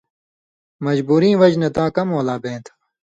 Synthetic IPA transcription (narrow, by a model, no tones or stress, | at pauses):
mɐd͡ʑbuːɾĩːʋɐd͡ʑnɐt̪ãːkɐmoːlaːbẽːt̪ʰ